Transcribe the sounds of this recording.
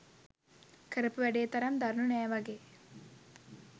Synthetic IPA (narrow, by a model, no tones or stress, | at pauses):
kəɾɐpuʋæɖeːt̪ɐɾɐmd̪ɐɾnunɛːʋɐɡeː